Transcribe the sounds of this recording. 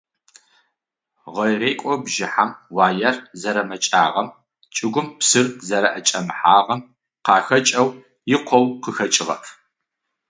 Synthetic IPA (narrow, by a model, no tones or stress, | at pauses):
ʁɐjreːkʷʼɔbʒɪħamwaːjɐrzɐɾɐmɐt͡ʃʼa̰ːʁɐm | t͡ʃʼɪɡʷʊmpsɨrzɐɾɐʔɐt͡ʃʼɐmħaːʁɐm | qɑːxɐt͡ʃʼɐw | jɪqʷʰɔwqəxɐt͡ʃʼɪʁɐ̰ʔ